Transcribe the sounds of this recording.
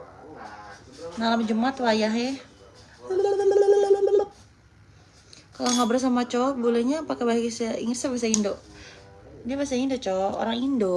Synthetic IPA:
nalamd͡ʒəmat̪wajaɦɛ | kaloŋɡabəɾs̬amat͡ʃobulɛɲapakabaiksaḭŋət̪sabis̬aindoʔ | diabasaindot͡ʃoo̰ɾaŋindo

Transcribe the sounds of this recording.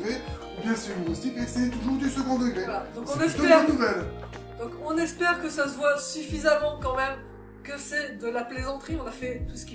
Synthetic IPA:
ʁeubjɛ̃sɛnost̪ipesɛt̪uʒuːʁd̪ysəɡɔ̃d̪əɡʁɛalad̪ɔ̃kɔ̃nɛsd̪ɛnuvɛl | d̪ɔ̃kɔ̃nɛspɛʁkəsas̬əvwasyfizamɑ̃kɑ̃mɛm | kəsɛd̪əlaplezɑ̃t̪χiɔ̃nafɛt̪usə̥kʲi

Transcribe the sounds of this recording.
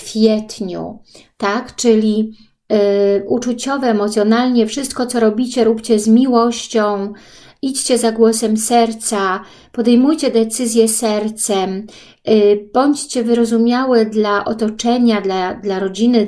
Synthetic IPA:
fʲjɛt̪ɲṵ | t̪akt͡ʂɘlʲi | ʔut͡ʂut͡ɕɔvɛːmɔt̪sʲjɔnalɲɛfʂɘst̪̚kɔt̪sɔɾɔbʲit͡ɕɛɾupt͡ɕɛzmʲiwɔɕt͡ɕɔ̃w̃ | it͡ɕt͡ɕɛzaɡwɔsɛmsɛɾt̪sa | pɔd̪ɛjmujt͡ɕɛd̪ɛt̪sɘzʲjɛsɛɾt̪sɛm | b̥ɔɲt͡ɕt͡ɕɛvɘɾɔzumʲjawɛd̪laʔɔt̪ɔt͡ʂɛɲad̪lad̪laɾɔd͡ʑinɘ

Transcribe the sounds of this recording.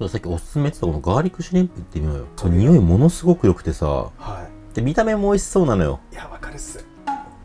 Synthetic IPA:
sod̪asakʲːio̞sɨ̥sɨme̞t̪ɨ̥t̪akonoɡaːɾʲikːɯ̟ɕiɾʲĩmpɯit̪ːe̞mʲio̰jo̰sonoɲ̟ijo̞imo̞no̞sɨɡo̞kɯ̟jo̞kɯ̟̥t̪e̞sa̰hai | t̪ːemʲit̪ame̞moisi̥so̞ːnano̞jo̞̰jaβakaɾesɨ̥

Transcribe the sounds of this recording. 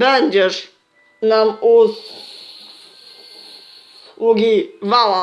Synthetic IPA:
bɛɲʲd͡ʑɛʂ | namu | uɡʲivawa

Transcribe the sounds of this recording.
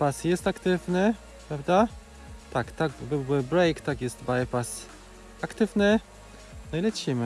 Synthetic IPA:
pasjɛst̪akt̪ɘvnɘ | pɾavd̪a | t̪akt̪aɡbɘwɘbɾɛjkt̪akjɛst̪bajpas | akt̪ɘvnɘ | najlɛt͡ɕimɘ

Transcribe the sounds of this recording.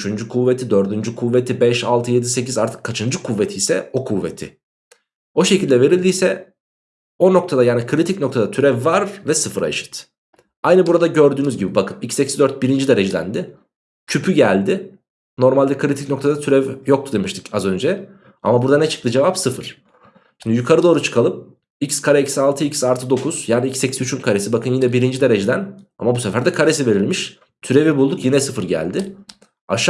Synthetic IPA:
yt͡ʃʰynd͡ʒykʰuvːet̪ʰid̪ø̞ɾd̪ynd͡ʒykʰuvːet̪ʰibɛʃalˠt̪ʰɯje̞d̪ise̞cʰizaɾt̪ʰɯ̥kʰːat͡ʃʰɯnd͡ʒɯkʰuvːet̪ʰijsɛ̰o̞kʰuvːḛt̪ʰɪ̰ | o̞ʃe̞cʰilʲd̪ɛve̞ɾilʲd̪ijsɛ | o̞no̞k̚t̪ʰad̪ajaːnikʰɯɾit̪icno̞k̚t̪ʰad̪at̪ʰyɾɛvːaɾvɛsɯfɯɾa̰ʃɯ̥t̪ | ajnɯbuɾad̪aɟø̞ɾd̪yːnyzɟibibakʰɯmicʰsecʰizd̪øɾt̪̚biɾind͡ʒid̪e̞ɾed͡ʒelʲæ̰nd̪ɪ | cʰypʰyɟælʲd̪ɪ | no̞ɾmalʲd̪ɛkʰɯɾit̪ʰicno̞kt̪ʰad̪at̪ʰyɾɛvjok̚t̪ʰud̪e̞miʃt̪ʰɯcazø̞nd͡ʒɛ | a̰mabuɾd̪anɛt͡ʃʰɯ̥k̚t̪ʰɯd͡ʒevapsɯfɯɾ̥ | ʃimd̪ijykʰaɾɯd̪o̞ːɾut͡ʃʰɯ̥kʰalˠɯp̚ | icskʰaɾɛicsalˠt̪ʰɯicsalˠt̪ʰɯd̪o̞kʰuz̥jaːniicsːecʰisyt͡ʃʰynkʰaɾesibakʰɯnjinɛbiɾind͡ʒid̪e̞ɾed͡ʒed̪æna̰mabusefæɾd̪ɛkʰaɾe̞s̬ive̞ɾilʲmiʃ | t̪ʰyɾe̞vibulˠd̪ukjinɛsɯfɯɾɟæ̰lʲd̪ɪ | a̰ʃ

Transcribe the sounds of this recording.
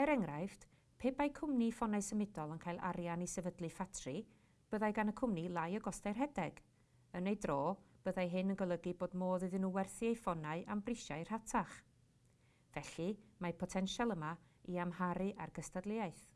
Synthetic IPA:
ɛɾɛŋrajft | pʰeːpajkʰʊmnifɔnaɨsəmɪdɔlˠənkʰaːjlˠʔa̰ɾjanisɛvədlˠɨfatʰrɨ | b̥əðajɡanəkʰʊmnilˠajəɡɔstajrɦɛdɛɡ̥ | ənejdroːb̥əðajɦɪnənɡəlˠəɡiboːdmoːðɨðɪnuwɛrθiejfɔnaɨʔambrɪʃaɨr̥hatʰaχ | v̥ɛɬimapʰɔtʰɛnʃalˠəma | iamhaɾɨʔarɡəstadlˠɪajθ

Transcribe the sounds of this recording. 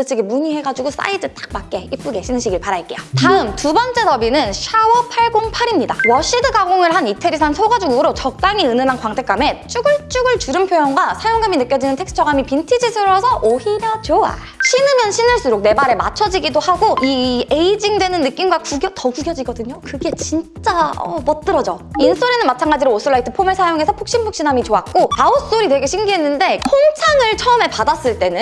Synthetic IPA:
t͈ɯt͡ɕʰiɡimuɲiɦe̞ɡad͡ʑuɡos͈a̰idɯtʰḁk̚mak̚k͈e̞ip͈uɡe̞ɕʰinɯnɕʰiɡiɭpaɾaik͈e̞jotaɯmtubʌnt͡ɕ͈e̞dʌbinɯnɕʰawʌpʰaɭɡoŋpʰaɾimɲidawʌɕ͈idɯɡaɡoŋɯɭɦanitʰeɾisʰansʰoɡad͡ʑuɡuɾot͡ɕʌk̚t͈aŋiɯnɯmankwaŋtʰe̞k͈ame̞t͡ɕ͈uɡɯɭt͡ɕ͈uɡɯɭt͡ɕuɾɯnpʰjojʌŋɡwasʰajoŋɡaminɯk͈jʌd͡ʑinɯntʰe̞ks͈ʰɯ̥t͡ɕʰʌɡamipintʰid͡ʑisʰɯɾʌsʰʌʔohiɾjʌt͡ɕoa̰ | ɕʰinɯmjʌnɕʰinɯɭs͈uɾok̚ne̞maɾe̞ma̰t͡ɕʰʌd͡ʑiɡidohaɡoie̞id͡ʑiŋdwe̞nɯnːɯk͈imɡwakuɡjʌtʌkuɡjʌd͡ʑiɡʌdɯɲokɯɡe̞t͡ɕint͡ɕ͈aʌ̰mʌt͈ɯɾʌd͡ʑʌins͈ʰoɾe̞nɯnmat͡ɕʰaŋɡad͡ʑiɾoosʰɯɭːaitʰɯpʰomeɭsʰajoŋe̞sʰʌpʰuk̚ɕ͈inpʰuk̚ɕ͈inamit͡ɕoak̚k͈otaos͈oɾitweɡe̞ɕʰimɡiɦe̞nːɯnde̞kʰoŋt͡ɕʰaŋɯɭt͡ɕʰʌɯme̞padas͈ɯɭt͈e̞nɯn

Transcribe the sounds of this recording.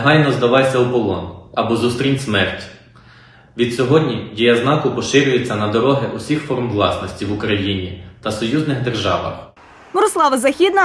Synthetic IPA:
ɦɑjnɔzd̪ɐʋɑjsʲɐubɔlˠɔ̰nɐbɔzust̪ɾʲinʲsmɛrtʲ | ʋʲid̪̥sʲɔɦɔdʲnʲidʲijɐznɑkʊpɔʃɪɾʲʊjet͡sʲːɐnɐd̪ɔɾɔɦɪʔʊsʲixfɔrmʋlˠɑsnɔsʲtʲiʋʊkɾɐjinʲit̪ɐsɔjuznɪɣd̪erʒɑ̰ʋɐ̰x | mɔɾɔslˠɑʋɐzɐxʲid̪nɐ

